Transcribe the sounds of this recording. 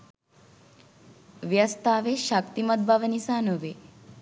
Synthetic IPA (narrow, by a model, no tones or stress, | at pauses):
ʋjəst̪aʋeʃak̚t̪imət̪̚bʱaʋənisanoʋe